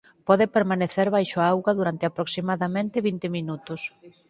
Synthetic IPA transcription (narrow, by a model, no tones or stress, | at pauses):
pɔðɪpeɾmaneθeɾβajʃoaawɣɐðuɾant̪ɪapɾoksimaðamẽnt̪ɪβint̪ɪmĩnut̪ʊs